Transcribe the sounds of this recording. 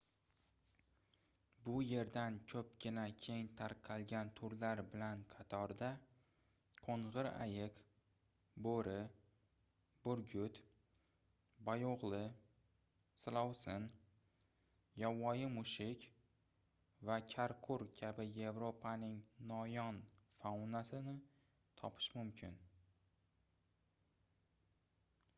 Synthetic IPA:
bʊje̞ɾd̪ant͡ʃʲʰɵp̚ɡʲɪnakʲʰe̞jɪnt̪ʰaɾqʰɑlˠɡʲant̪ʰʊɾlaɾbɪlanqʰɑt̪ʰɒɾd̪a | qʰoɴʁɨɾa̰jɪq | boɾɪ | bʊɾɡʲʊt̪ | bajoʁlˠɪ | slˠawsɪn | jawːɒjɪmʊʃɪkʲ | vakʲʰaɾkʰʊɾkʲʰabɪje̞vɾopʰanɪŋnɒjɒnfawnasɪnɪ | t̪ʰɒpʰɪ̥ʃmʊmkʲʰɪ̰n

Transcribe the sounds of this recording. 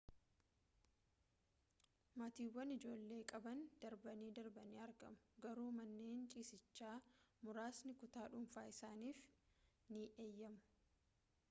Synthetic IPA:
mɐt̪iːwːɐnɪd͡ʒo̞ːlːe̞ːkʼɐbɐnd̪̥ɐɾbɐniːd̪ɐɾbɐniːɐɾɡɐ̰mʊ̥ɡɐɾuːmɐnːe̞ːnt͡ʃʼiːsɪt͡ʃːaːmʊɾaːsnɪkʊt̪aːᶑʊmfaːɪsaːniːf | niʔeːjːɐmʊ̥

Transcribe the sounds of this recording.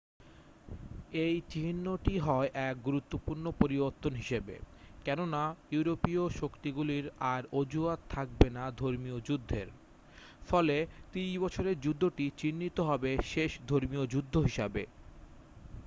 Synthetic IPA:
ejt͡ɕinːoʈiɦɔeʔɛk̚ɡuɾut̪ːopuɾnopoɾiboɾt̪ːonɦiʃebḛkɛnonajuɾopioʃokt̪iɡuliɾaɾod͡ʑuat̪ʰːak̚benad̪ʱoɾmiod͡ʑud̪ʱːeɾ | fɔlet̪ibɔt͡ɕʰoɾeɾd͡ʑud̪ʱːoʈit͡ɕinːit̪oɦɔbeʃeʃd̪ʱoɾmiod͡ʑud̪ʱːoɦiʃabe

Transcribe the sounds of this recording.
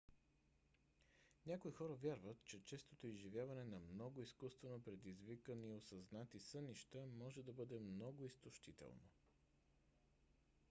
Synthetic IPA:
nʲakoixɔɾəvʲjaɾvət̪t͡ʃɛt͡ʃɛst̪ot̪oizʒivʲjavɐnɛnɐmnɔɡʊiskust̪vɛnopɾɛd̪izvikəniosɐznat̪isɤniʃt̪əmɔʒɛd̪ɐbɤd̪ɛmnɔɡʊist̪oʃt̪it̪ɛ̰lˠno̰

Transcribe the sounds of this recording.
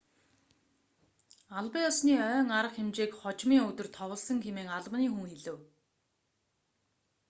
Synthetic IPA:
aɮpə̆jɔsniːœːŋaɾə̆χxemt͡ɕeːkχɔt͡ɕmiːŋɵt̪ɵ̆rt̪ʰɔʁə̆ɮsə̆ŋxemeːŋaɮpniːŋxuŋxeɮɘ̆w

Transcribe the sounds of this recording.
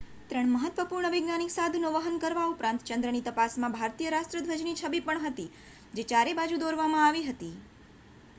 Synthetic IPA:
t̪ɾəɳməɦət̪ʋəpuɾɳəʋɪɡnaniksad̪ʱnoʋəɦənkəɾʋaupɾãnt̪t͡ʃə̃nd̪ɾənit̪əpasmãbʱaɾt̪ijəɾaʃʈ̪ɾəd̪ʱʋəd͡ʒnit͡ʃʰəbipəɳɦət̪i | d͡ʒet͡ʃaɾebad͡ʒud̪oɾʋamãaʋiɦət̪i

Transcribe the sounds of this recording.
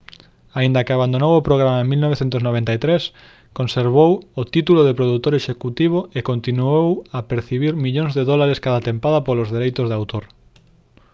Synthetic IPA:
aĩnd̪ɐkɪaβand̪onowʊpɾoɣ̞ɾamaẽmilnɔβ̞eθẽnt̪ʊznoβẽnt̪ait̪ɾes | konseɾβowot̪it̪uloðepɾoðut̪oɾeʃekut̪iβ̞oekont̪inuowapeɾθiβiɾmiʎõŋzðeðɔlaɾeskaðat̪empaðɐpolʊzðeɾejt̪ʊzðawt̪oɾ

